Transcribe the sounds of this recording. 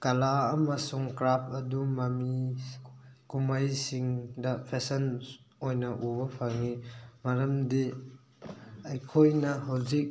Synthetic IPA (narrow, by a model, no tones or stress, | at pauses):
kalaːmɐsuŋkɾap̚ʰɐdumami | kumajsiŋdɐpʰesɐn | ojnɐʔubɐpʰaŋimaɾɐmdi | ɐjkʰojnɐɦawzik̚